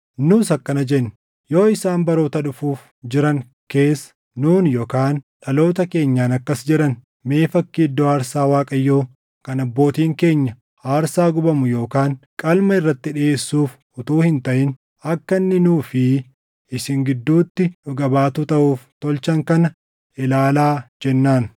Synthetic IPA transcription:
nuːsɐkːɐnɐd͡ʒɛnː | jo̞ːɪsaːnbɐɾoːt̪ɐɗʊfuːf | d͡ʒɪɾɐŋ | ke̞ːsɐ̥ | nuːnjo̞ːkaːnᶑɐlo̞ːt̪̬ɐke̞ːɲːaːnɐkːɐsd͡ʒɪɾɐn | me̞ːfɐkːiːd̪ːoaːɾsaːwaːkʼɐjːoː | kɐnɐbːo̞ːt̪iːŋke̞ːɲːɐ | aːɾsaːɡʊbɐmʊjo̞ːkaːŋkʼɐlmɐɪrːɐt̪ːɪᶑɪeːsːuːf | ʊt̪uːhɪnt̪ɐʔɪn | ɐkːɐnːɪnuːfɪ | ɪsɪŋɡɪd̪ːuːt̪ːɪᶑʊɡɐbaːt̪ut̪ɐʔuːft̪ɔlt͡ʃɐŋkɐnɐ | ɪlaːlaːd͡ʒɛnːaːn

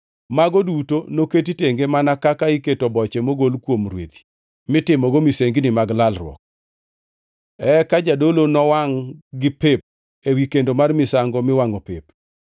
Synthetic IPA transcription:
maɡodutonoket̬iteŋɡemanakakaiketobɔt͡ʃemoɡolkwomrwet̪i̥ | mɪtɪmɔɡomiseŋɡnɪmaɡlalrwɔ̰k̚ | ɛkad͡ʒadolonɔwaŋɡɪpep̚ | ewikendomarmɪsaŋɡɔmɪwaŋɔpep

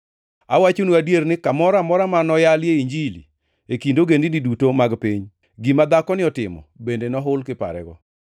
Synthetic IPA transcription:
awat͡ʃonuadjeɾnɪkamɔɾamɔɾamanɔjaljeiɲd͡ʒilḭ | ekindoɡendinidutomaɡpiɲ | ɡimad̪akɔnɪɔtɪmɔ̰bendenɔɦʊlkɪpa̰ɾɛ̰ɡɔ

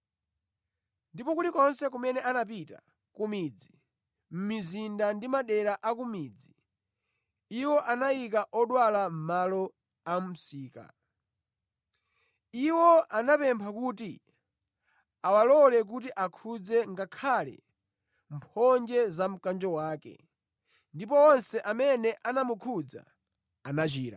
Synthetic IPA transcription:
ndipɔkulikɔnsɛk̬umɛnɛanap̬ita̰ | kumid͡zi | m̩mizindandimaɗɛɾaʔakumid͡zi | iwɔʔanaik̬aʔɔɗwalam̩malɔ | am̩siːka̰ | iwɔanapɛmpʰakuːti | awalɔlɛk̬ut̬iʔakʰud͡zɛŋɡakʰalɛ̰ | m̩pʰɔnd͡ʒɛzam̩kand͡ʒɔwaːkɛ̰ | ndipɔɔnsɛʔamɛnɛʔanamukʰud͡za̰ | anat͡ʃiːɾa̰

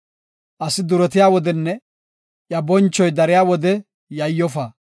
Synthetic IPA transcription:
ʔɐsɪd̪ʊɾɛt̪ɪjaːwɔd̪ɛnːɛ | ʔjɐbɔnt͡ʃːɔjd̪ɐɾɪjaːwɔd̪ɛ | jɐjːɔfaː

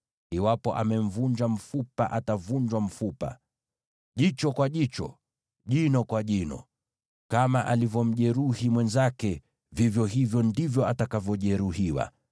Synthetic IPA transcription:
iwapɔʔamɛm̩vuɲd͡ʒam̩fupaʔatavuɲd͡ʒwam̩fupa̰ | ʄit͡ʃɔkwaʄit͡ʃɔ̰ | ʄinɔkwaʄinɔ̰ | kamaʔalivjɔm̩ʄɛɾuhimwɛnzakɛ | vivjɔɦivjɔndivjɔatakavjɔʄɛɾuɦiwa̰

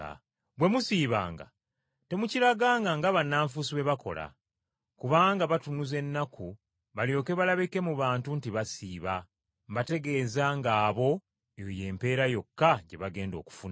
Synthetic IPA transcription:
bwe̞musiːβa̰ːŋɡa̰ | te̞mucilaɡaːŋɡaŋɡaβanːaːɱfusiβe̞βako̞̰la̰ | kuβaːŋɡaβatunuze̞nːakʰu | βaljo̞ːke̞βalaβike̞muβaːntuntiβasiːβa | mbate̞ɡe̞ːzaŋɡaːβo̞ | ejoje̞ːmpe̞ːɾajo̞kːaɟe̞βaɡe̞ːndo̞̰ːku̥funa

